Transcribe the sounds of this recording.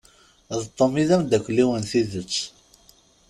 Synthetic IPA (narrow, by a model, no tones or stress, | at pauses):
ðt̪ˤːomiðæmd̪ækʷːlːiwənθiðət͡sː